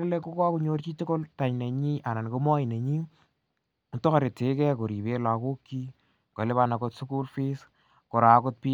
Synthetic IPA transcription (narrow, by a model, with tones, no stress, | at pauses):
le˦ko˦ka˦ku˨ɲo˦rt͡ʃi˦tʊ˦ko˦lta˨ɲne˨ɲi˦ʔa˨na˨n˨ko˦mɔ˦i˨nɛ˨ɲi˦˨ | to˦ka˨ɾe˨te˨˦kɛ˦ko˨ɾi˨be˦la˨ko˦kːi˦ | ko̰˨le˦βa˦na˨ko˧tsu˦ku˦lfi˦s | ko˨ɾaː˨kʊ˦t̚pi˦